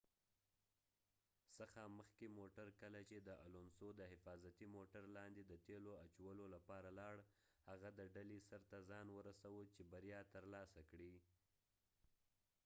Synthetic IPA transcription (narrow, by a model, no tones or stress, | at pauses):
səxaməxkemoʈaɾkəlat͡ʃed̪əʔa̰lonsod̪əhɪfɑzat̪imoʈaɾlɑnd̪ed̪ət̪eloat͡ʃawəlolapɑɾalɑɽhaɣad̪əɖalesaɾt̪azɑnwəɾasawət͡ʃebaɾjɑt̪əɾlɑsakɽi